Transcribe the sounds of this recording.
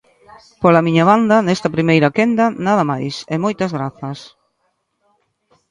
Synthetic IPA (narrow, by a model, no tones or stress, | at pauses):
polɐmiɲɐβand̪ɐnɛst̪ɐpɾimejɾɐkend̪ɐnaðɐmajsɛmɔjt̪ɐzɣɾaθɐs